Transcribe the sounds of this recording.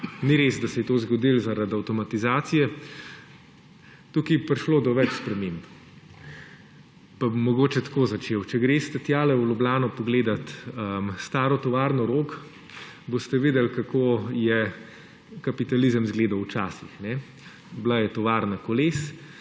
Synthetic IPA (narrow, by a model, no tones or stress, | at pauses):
niɾezd̪ɐsɛjɛt̪oːzɡɔd̪ilzaɾad̪awt̪ɔmat̪izaːt̪sijɛ | t̪ukipɾiʃloːd̪ɔʋɛt͡ʃspɾɛmemb | pabmɔɡoːt͡ʃɛt̪koːzat͡ʃeːwt͡ʃɛɡɾeːst̪ɛt̪jaːlɛwlʲublʲaːnɔpɔɡleːd̪at̪əst̪aːɾɔt̪ɔʋaːɾnɔɾoːk | bost̪ɛʋeːd̪ɛlkakʰoːjɛ | kapit̪alizəmzɡleːd̪awt͡ʃaːsixnɛ | blajɛt̪ɔʋaːɾnakɔleːs